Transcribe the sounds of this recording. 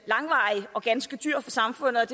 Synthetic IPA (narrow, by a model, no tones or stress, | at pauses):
lɑ̈ŋʋɑ̈iɒ̽ɡ̥ænsɡ̥əd̥yɐ̰fɒ̽sɑ̈mfɔ̽n̰ð̩ˠd̥e